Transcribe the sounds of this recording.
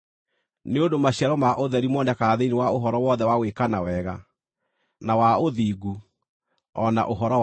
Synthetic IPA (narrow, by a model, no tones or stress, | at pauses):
neondomaɕiaɾɔmaʔoðɛɾimɔnɛkaðeinewaoɦɔɾɔwɔðɛwawekanawɛɣa | nawaoðiɡu | ɔna̰ʔoɦɔɾɔ